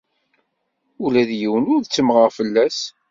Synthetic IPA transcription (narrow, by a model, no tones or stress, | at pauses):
ulæðjəwənʊɾðt͡sːəmʁəʁfəlːæs